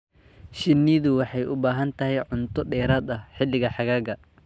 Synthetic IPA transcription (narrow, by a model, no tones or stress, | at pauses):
ʃɪnːiðʊwɑħɑjʔʊbaːɦɐnt̪ʰɐɦɛjʕʊnt̪ʰɔɖɛːɾɐːd̪ɐħɪlːɪɣɐħɑɣaːɡɐ